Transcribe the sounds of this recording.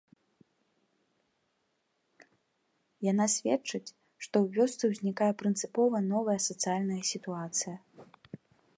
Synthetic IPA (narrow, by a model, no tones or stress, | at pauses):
jan̪asʲvʲɛt͡ʂɐt͡sʲ | ʂt̪ɔwvʲɔst̪sɨwzʲnʲikajɐpɾɨnt̪sɨpɔvɐnɔvɐjɐsɐt̪sɨjalʲnɐjɐsʲit̪uat̪sɨjɐ